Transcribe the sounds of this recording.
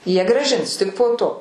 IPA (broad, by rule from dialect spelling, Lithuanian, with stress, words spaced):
ˈjiɛ ɡrɑːˈʒʲɪns ˈtʲɪk poː ˈtoː